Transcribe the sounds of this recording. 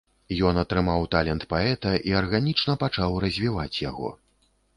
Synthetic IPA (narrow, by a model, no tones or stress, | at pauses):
jɔnɐt̪ɾɨmawt̪alʲɛnt̪paɛt̪ɐʔiɐrɣanʲit͡ʂnɐpat͡ʂawrɐzʲvʲivat͡sʲjaɣɔ̰